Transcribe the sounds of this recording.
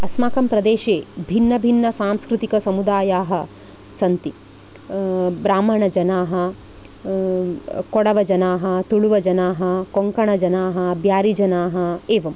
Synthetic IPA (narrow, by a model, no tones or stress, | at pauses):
ɐsmaːkɐmpɾɐd̪eːʃeːbʱinːɐbʱinːɐsaːmskɾut̪ikɐsɐmud̪aːjaːɦɐ̆ | sɐnt̪i | bɾaːm̤ɐɳɐd͡ʒɐnaːɦɐ | kɔɽɐʋɐd͡ʒɐnaːɦɐt̪uɭuʋɐd͡ʒɐnaːɦɐkoŋkɐɳɐd͡ʒɐnaːɦɐbʱjaːɾid͡ʒɐnaːɦɐeːʋɐm